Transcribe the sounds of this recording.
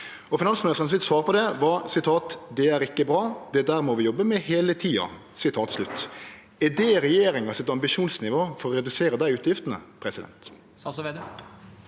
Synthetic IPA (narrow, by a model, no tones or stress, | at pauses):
ɔfɪnɑnsmʊnɪst̪ɾənsʋɪt̪sʋɑːɾpʰɔd̪ɛʋɑɾsɪt̪ʰɑːt̪d̪ɛæɾɪkːəbɾɑːd̪̥ɛd̪æːɾmɔʋɪjɔbːəmɛheːlət̪ʰiːɑ̰ | sɪt̪ʰɑːt̪slʉt̪ː | ɛd̪ɛɾɛjeːɾɪŋɑsɛt̪ɑmbɪʃuːnsnɪʋoːfɔɾɔɾɛd̪ʉseːɾəd̪æɪʉːt̪jɪft̪ənə̰pʰɾɛsɪd̪ɛ̰nt̪ | ɑsɔʋed̪